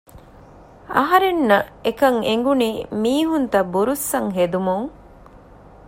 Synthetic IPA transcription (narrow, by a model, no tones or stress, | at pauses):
ɐ̰ɦɐɾenːɐekɐŋeŋ̆ɡuniːmiːɦunt̪ɐbuɾusːɐŋɦed̪umuŋ